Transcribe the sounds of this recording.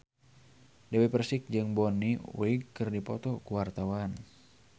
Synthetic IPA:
dɛwepərsɪk̚d͡ʒɨŋbɔniwiɡkɨrdipɔt̪ɔkuwart̪awan

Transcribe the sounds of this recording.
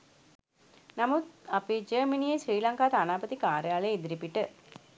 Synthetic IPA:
namut̪ɐpid͡ʒəːminiːjesriːlaŋkaːt̪anaːbət̪ikaːɾjaːleid̪iɾipiʈə

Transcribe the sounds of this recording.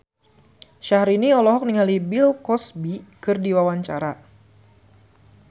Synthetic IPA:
ʃahɾiniɔlɔɦɔk̚niŋalibilkɔsbikɨrdiwawaɲt͡ʃaɾa

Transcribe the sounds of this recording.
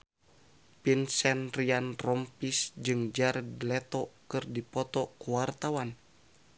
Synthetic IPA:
pinsɛnrianrɔmpisd͡ʒɨŋd͡ʒardlɛt̪ɔkɨrdipɔt̪ɔkuwart̪awan

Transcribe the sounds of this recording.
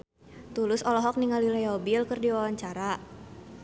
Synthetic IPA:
t̪ulʊsɔlɔɦɔk̚niŋalilajɔbɪlkɨrdiwawaɲt͡ʃaɾa

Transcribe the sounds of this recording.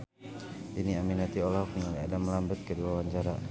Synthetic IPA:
diniaminat̪iɔlaɦuk̚naŋliadaməlambət̪̚kəduawaɲd͡ʒaɾa

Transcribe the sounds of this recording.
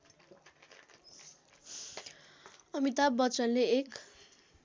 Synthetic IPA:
ʌmit̪abʌt͡sʌnleek

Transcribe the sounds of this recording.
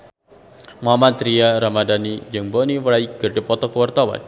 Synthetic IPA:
mamat̪ɾiaɾamadanid͡ʒəŋbɔniwəɾaiɡ̥ərdepɔt̪ɔkəwart̪awa̰n

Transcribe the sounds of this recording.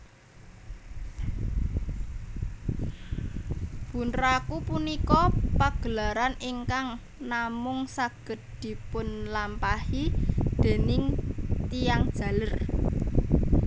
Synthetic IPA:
b̥ṳnrakupunikɔpaɡ̥ə̤laɾaniŋkaŋ | namʊŋsaɡ̥ə̤t̪̚d̪̥i̤pʊnlampahid̪̥e̤nɪŋt̪ijaŋd̥ʒ̥ä̤lər

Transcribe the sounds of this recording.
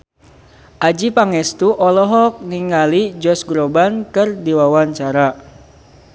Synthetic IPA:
ʔad͡ʒipaŋɛst̪uʔɔlɔɦɔk̚niŋalid͡ʒɔsɡɾobankɨrdiwawaɲt͡ʃaɾa

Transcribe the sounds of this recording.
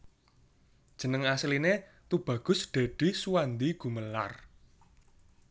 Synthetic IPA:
d̥ʒ̥ə̤nəŋasline | t̪ub̥ä̤ɡ̥ʊ̤sɖ̪̥a̤ɖ̥i̤suwand̪iɡ̥ṳməla̰r

